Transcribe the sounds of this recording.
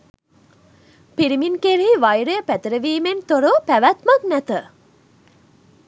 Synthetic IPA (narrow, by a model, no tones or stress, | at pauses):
piɾiminkeɾiiʋɐjɾejəpæt̪əɾəʋiːment̪oɾopæʋæt̪mɐk̪næt̪ə